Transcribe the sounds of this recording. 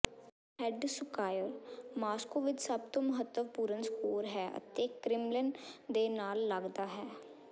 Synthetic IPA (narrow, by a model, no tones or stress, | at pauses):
hɛɖsʊkaːjəɾmaːskoːʋɪt͡ʃsəbt̪õːməɦət̪ːəʋpuːɾənskoːɾɦɛːʔə̰t̪eːkɾɪmləɳɖd̪eːnaːlːəɡd̪aːɦɛː